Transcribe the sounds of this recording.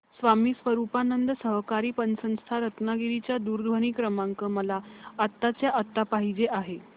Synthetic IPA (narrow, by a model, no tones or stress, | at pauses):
sʋamiːsʋəɾupanənd̪əsəɦkaɾiːpənsə̃w̃st̪ʰaɾət̪naɡiɾit͡ɕjad̪uːɾd̪ʱʋəɳ̃iːkɾəmaŋkəməlaət̪ːat͡sjaʔət̪ːapaɦid͡ʑeʔaɦe